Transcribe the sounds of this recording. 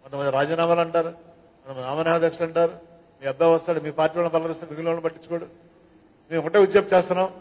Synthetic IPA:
mɐt̪omɐnd̪iɾaːd͡ʒaːnaːmaːlɐɳʈaːɾu | mɐt̪ɐmɐniaːmɐnɐɦaɐd̪ʱjɐkʂɐlɐɳʈaːɾu | miːɐb̪aːʋɐst̪aːɽumiːpaːɾʈːiːʋaːlɐnpɐlːɐʋist̪aːɽmiɡulaːlɐnpɐʈːit͡ʃːukoːɽu | meːmɔkɐʈeud̪jɐmt͡ʃɛːst̪unːaːm

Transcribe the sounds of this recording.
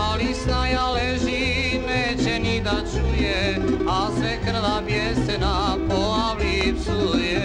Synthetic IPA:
alisnajaleʒineːt͡ɕɛnid̪at͡ʃujeasʋɛkr̩ʋabjɛsnapoaʋlipsujɛ

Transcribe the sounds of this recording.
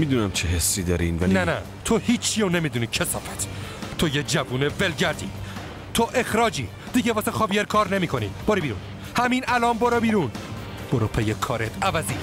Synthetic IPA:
mid̪uːnæmt͡ʃʰeɦesːiːd̪ɒːɾinvænænæ̰ | t̪ʰohiːt͡ʃʰːiːonemiːd̪uːniːt͡ʃʰesɒ̰ːfæ̥t̪ʰt̪ʰojed͡ʒævuːnevelɟæɾd̪ḭː | t̪ʰoʔe̞xɾɒːd͡ʒiː | d̪̥iɟevɒːsexɒːbijeɾkʰɒːɾnemiːkʰo̞nḭːb̥oɾibiːɾṵːn | hæmiːnælɒːmboɾobiːɾun | b̥oɾopʰejekʰɒːɾet̪ʰævæzi

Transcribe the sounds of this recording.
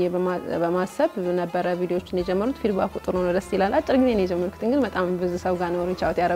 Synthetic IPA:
ɛbəabəmasəβnəbːəɾəvid̪eoo̞t͡ʃːɪnjɛd͡ʒɛmːəɾut̪fid̪bakʼut̪ʼɨɾnonod̪əsjilalːʔat͡ʃʼːɪɾɡizenjɛd͡ʒɛmːəɾkʰt̪ɨŋɡɨnbət̪ʼambɨzɨsəwɡanəoɾɛt͡ʃːawot̪jaɾə

